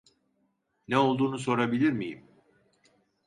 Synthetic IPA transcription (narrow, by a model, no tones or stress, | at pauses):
nɛo̞lˠd̪uːnuso̞ɾabilʲiɾmijḭm